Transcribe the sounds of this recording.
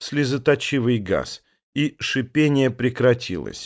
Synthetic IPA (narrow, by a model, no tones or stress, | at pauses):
sʲlʲɪzət̪ɐt͡ɕivɨjɡa̰s | iʂɨpʲenʲɪjəpɾʲɪkɾɐtʲʰḭlˠə̰sʲ